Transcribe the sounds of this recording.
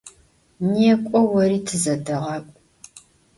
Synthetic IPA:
neːkʷʼɔwɐɾiːtʰɨzɐdɨʁɐpʷʼ

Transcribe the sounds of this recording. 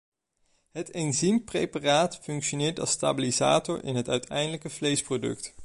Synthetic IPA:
ɦətenzimprejparaːtfɵŋkʃonɪːɹtɑ̰lˠsta̰ːbiliza̰ːtɔɹʔɪ̰nɦətœɥtʰɛ̰jndələkəv̥lejsprodɵ̰kt

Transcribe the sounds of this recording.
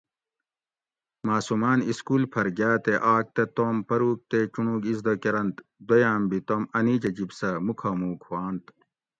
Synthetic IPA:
maːsumaːniskuːlpʰɐɾɡaːt̪eʔaːk̚t̪ɐt̪oːmpɐɾuːk̚t̪et͡ʃuɳuːɡizd̪okeɾɐnt̪d̪ojaːmbit̪oːmɐniːd͡ʑɐd͡ʑibsɐmukʰɐmuːkwaːnt̪

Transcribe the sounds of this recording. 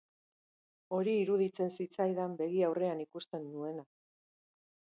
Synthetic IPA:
o̞ɾiːɾuðit͡se̞nsit͡sajðambe̞ɣiawre̞anikust̪e̞nːue̞na

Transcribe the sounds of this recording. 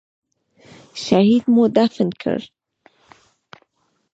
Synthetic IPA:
ʃahiːd̪mod̪afɪnkʰə̰ɾ

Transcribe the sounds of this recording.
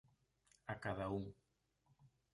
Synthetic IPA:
akaðauŋ

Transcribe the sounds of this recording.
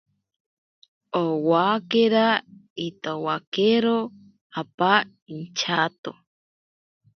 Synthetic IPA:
owakeɾait̪owakeɾo | apa | int͡ʃʰat̪o

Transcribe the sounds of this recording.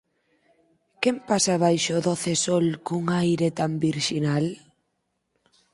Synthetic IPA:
kɛmpasaβ̞ajʃoðɔθesɔlkuŋajɾet̪ambiɾʃinal

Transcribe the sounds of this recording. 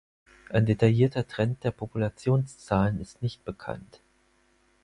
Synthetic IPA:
ʔaɪndetajiːɐtɐtʁ̥ɛnt̚d̥eːɐpʰopulat͡sjoːnst͡saːlənɪstnɪçt̚b̥əkʰa̰nt

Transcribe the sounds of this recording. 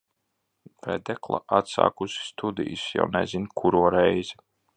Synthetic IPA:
vɛd̪ɛklˠa̰ʔat̪sa̰ːkusi̥st̪ʰud̪ḭjsja̰wnɛzinkʰuɾuɔɾɛjzi

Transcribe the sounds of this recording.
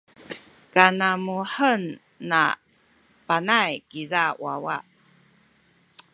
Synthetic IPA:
kanamuħənː | a̰ | panajkizawawa̰ʔ

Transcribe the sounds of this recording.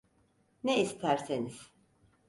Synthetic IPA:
nɛist̪ʰæɾseniz̥

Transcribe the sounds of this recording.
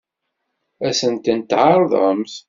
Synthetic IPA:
æsənt̪ənt̪ːʕɑɾˤðˤə̰ms

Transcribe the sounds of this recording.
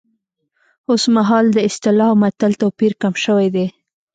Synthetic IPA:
osmaɦɑld̪əɪst̪ɪlɑmat̪alt̪apiɾkamʃəwed̪e

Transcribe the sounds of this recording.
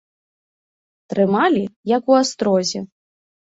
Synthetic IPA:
t̪ɾɨmalʲijɐkuast̪ɾɔzʲɛ

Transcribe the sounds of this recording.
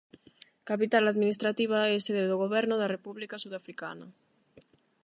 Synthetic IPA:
kapit̪alaðminist̪ɾat̪iβ̞aeseðeðoɣoβɛɾnoðarepuβlikasuðafɾika̰na

